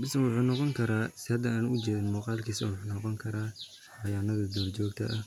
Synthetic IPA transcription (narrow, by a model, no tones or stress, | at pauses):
bɪsɐnwʊħuːnɔqɔŋkʰɐɾaːsɪhɐd̪ɐaːnʊʔʊt͡ʃɛːðɪnmuːqɑːlkʰiːsɐ̰wʊħunɔqɔŋkʰɐɾaː | ħɑjaːnɐðɐd̪ɔːrt͡ʃɔːɡ̚t̪ʰɐ̰ʔɐ